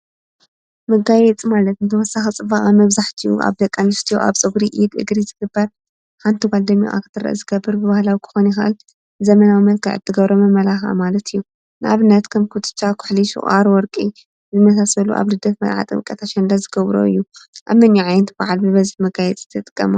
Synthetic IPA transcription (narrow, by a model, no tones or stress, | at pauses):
mɐɡajɛt͡sʼmalɐt̪ɨnt̪ʰɐwɔsːaxit͡sʼɨbaχʼamɐβzaħt̪ʰiṵʔa̰βd̪ɐkʼːanɨst̪ʰijoʔa̰βt͡sʼɨɡɾiʔid̪ɨ̰ɡɾizɨɡɨbːɐɾ | ħant̪ʰɨɡald̪ɐmiṵʔa̰kɨt̪ʰɨɾɐ̰ʔzɨɡɐbːɨɾbɨβahlawikʰɨ̥xonixa̰ʔl | zɐmɐnawimɐlkʰɐʕɨ̰t̪ʰːɨɡɐβɾomɐmɐlaxa̰malɐt̪ʰɨjːu | nʔa̰βɨnːɐt̪kʰɐmkʰut̪ʰɨ̥t͡ʃːakʰʊ̥ħliʃṵʔʼaɾwɔɾkʼi | zɨmɐsasɐlṵʔa̰βlɨd̪ɐfmɐ̰lʕa̰t̪ʼɨ̰mkʼːɐt̪ʰaʃɛnd̪azɨɡɐβɾo̰ɨ̰jːuʔaβmɐnjuʕajnt̪baʕalbɨβɐzɨħmɐɡajɛt͡sʼɨ̥t̪ʰːɐt̪ʼɨ̥kʼːɐma